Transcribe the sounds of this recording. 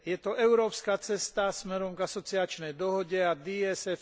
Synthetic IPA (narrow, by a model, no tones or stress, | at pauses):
jɛt̪ɔɛʊɾɔːpskat͡sɛst̪asmɛɾɔmɡasɔt͡siat͡ʃnɛjd̪ɔɦɔɟɛad̪iɛsɛf